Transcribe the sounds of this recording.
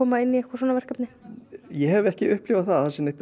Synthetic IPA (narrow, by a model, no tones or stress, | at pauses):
oːmaɪnːiɛhkasoːnavɛr̥kapnɪjɛhɛvɛhcɪʏhplɪːvaðθaðasɪmnet̪